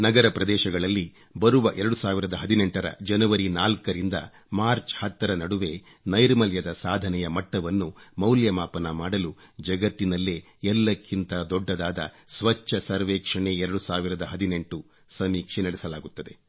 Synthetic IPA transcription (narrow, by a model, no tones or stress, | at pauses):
nɐɡɐɾɐpɾɐd̪ɛːʃɐɡɐɭɐlːi | bɐɾuʋɐʔɛɾɐɽusaːʋiɾɐd̪ɐɦɐd̪ineɳʈɐɾɐ̰d͡ʒɐnɐʋɐɾinaːlkɐɾind̪ɐ̰ | maːɾt͡ʃhɐt̪ːɐɾɐnɐɽuʋe̞ː | nɐjɾmɐljɐd̪ɐsaːd̪ʱɐnɛjɐmɐʈːɐʋɐnːumɐwljɐmaːpɐnɐmaːɽɐlud͡ʒɐɡɐt̪ːinɐlːe | ɛlːɐkːint̪ɐd̪ɔɖːɐd̪aːd̪ɐ̰ | sʋɐt͡ʃːɐsɐɾʋɛːkʂɐɳeɛɾɐɽusaːʋiɾɐd̪ɐɦɐd̪ine̞ɳʈu | sɐmiːkʂenɐɽɛsɐlaːɡut̪ːɐd̪e̞